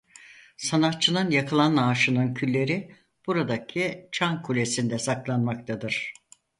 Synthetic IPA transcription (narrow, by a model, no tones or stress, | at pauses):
sanat̪t͡ʃʰɯnɯnjakʰɯlˠanaːʃɯnɯncʰylʲːe̞ɾi | b̥uɾad̪acʰit͡ʃʰankʰulʲe̞sind̪ɛsaklˠanmakt̪ʰad̪ɯɾ̥